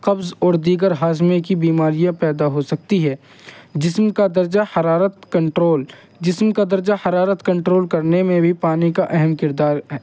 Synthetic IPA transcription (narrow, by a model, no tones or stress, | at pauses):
qɐbzɔːɾd̪iːɡəɾɦaːzmekibiːmaːɾijãpɛːd̪aɦosɐk̚t̪iɦɛː | d͡ʒɪsmkad̪ɐɾd͡ʒahɐɾaːɾət̪kɐ̃ɳʈɾoːl | d͡ʒɪsmkad̪ɐɾd͡ʒahɐɾaːɾət̪kɐ̃ɳʈɾoːlkɐɾnemẽbʱipaːnikaʔɛɦɛmkɪɾd̪aːɾɦɛː